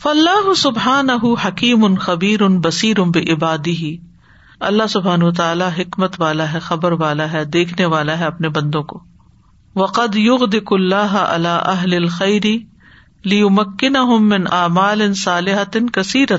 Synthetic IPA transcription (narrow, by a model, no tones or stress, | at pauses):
fɐlːaːɦʊsʊbħaːnɐɦʊhɐkiːmʊnxɐbiːɾʊnbɐsiːɾʊnbɪʔɪbaːd̪ɪɦi | ɐlːaɦsʊbʱaːnʋɐt̪̬aaːlaɦɪkmət̪ʋaːlaɦɛxɐbəɾʋaːlaɦɛd̪eːkʰneʋaːlaɦɛɐpnebɐ̃nd̪õkoː | ʋɐqɐd̪jʊɣd̪ɪkʊlːaːɦʔɐ̰laːʔɐɦlɪlxɐjɾɪ | lɪjʊmɐkːɪnɐɦʊmːɪnʔaːmaːlɪnsaːlɪɦɐt̪nkɐsiːɾa